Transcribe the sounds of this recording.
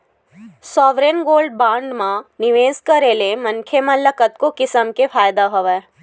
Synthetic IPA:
sɔːʋɾenɡoːlɖbãːɳɖmãnɪʋeːzkəɾelemɐnkʰemɐ̃ləkət̪kokɪsəmkefʰaːjd̪aɦoʋɛː

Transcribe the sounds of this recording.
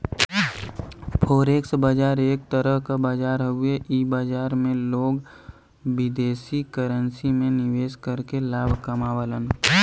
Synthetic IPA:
pʰoːɾeːksbaːd͡ʒaːɾeːk̚t̪əɾəɦkabaːd͡ʒaːɾɦʊeʔiːbaːd͡ʒaːɾmẽloːɡ | bɪd̪eːsikəɾənsimẽnɪʋeːskəɾkelaːbʱkəmaːwələn

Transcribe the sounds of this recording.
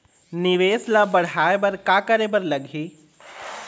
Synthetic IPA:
nɪʋeːslabɐɽ̤aːebɐɾkaːkɐɾeːbɐɾlɐɡʱiː

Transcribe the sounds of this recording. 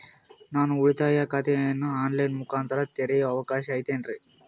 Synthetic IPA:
naːnuuɭit̪aːjakɐt̪ʰɛnːuaːnlɐjnmukaːnt̪ɐɾɐt̪eɾɐjɐɐʋɐkaːʃɐːjt̪eːnɖɾe

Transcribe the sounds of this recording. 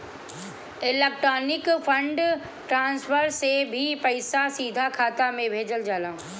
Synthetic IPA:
ɪleːk̚ʈɾoːnɪkfʰɐ̃ɳɖ | ʈɾãːnsfəɾsebʱipɐɪsasiːd̪ʱakʰaːt̪amẽbʱeːd͡ʒəld͡ʒaːlãː

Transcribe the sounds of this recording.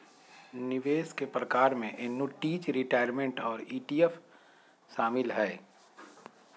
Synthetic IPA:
nɪʋeːskepɾəkaːɾmẽʔɪnːuʈiːt͡ʃɾɪʈaːɪjəɾmẽɳʈɔːɾiːʈiːef | ʃaːmɪlɦɛː

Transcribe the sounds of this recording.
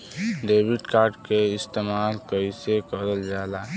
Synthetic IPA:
ɖeːbiɖkaːɾɖkeɪst̪eːmaːlkəisekəɾəld͡ʒaːlaː

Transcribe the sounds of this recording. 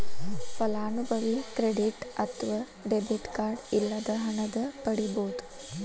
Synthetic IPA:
fɐlaːnubʱəʋikɾeɽiʈɐt̪ʋɐ | ɖebiʈkaːɾɖilːad̪əɦɐɳɐd̪əpəɽiboːd̪

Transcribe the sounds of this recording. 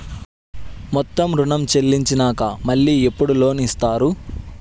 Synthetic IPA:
mɔt̪ːɐmɾuɳɐmt͡ʃe̞lːiɲt͡ʃinaːkɐmɐɭːiːepːuɽulo̞ːniːst̪aːɾu

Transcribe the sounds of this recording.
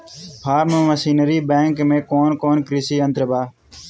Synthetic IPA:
pʰaːɾmə̃ːʋəsiːnəɾiːbẽːŋkmẽːkoːnkoːnkɾisiːənt̪ɾəbaː

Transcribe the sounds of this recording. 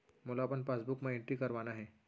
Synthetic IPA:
molapənpasbukmẽẽɳʈɾikɐɾʋanaɦɛː

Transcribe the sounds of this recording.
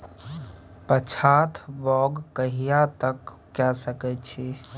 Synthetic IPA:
pət͡ʃʰat̪ʰbɔɡkəɦijat̪əkː | ɛsəkɛt͡ʃʰi

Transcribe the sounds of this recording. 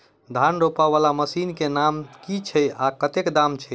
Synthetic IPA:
d̪ʱanɾopaβalaməsinkenamkit͡ʃʰɛakət̪ekd̪amt͡ʃʰɛ

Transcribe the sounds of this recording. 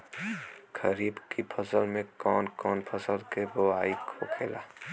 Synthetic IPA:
kʰəɾiːbkipʰəsəlmẽkɔːnkɔːnpʰəsəlkeboaːikʰokʰeːlaː

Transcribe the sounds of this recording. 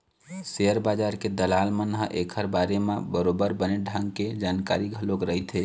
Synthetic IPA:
seəɾbad͡ʒaɾked̪əlaːlmənɦəʔekʰəɾbaɾemebəɾobəɾbəneɖʱãŋɡked͡ʒaːnkaɾiɡʱəlokɾəɦit̪ɦe

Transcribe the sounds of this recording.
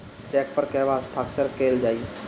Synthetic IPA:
t͡ʃɛːk̚pəɾkɛɦʋasʈ̪ʰaːkt͡ʃəɾkeːld͡ʒaːi

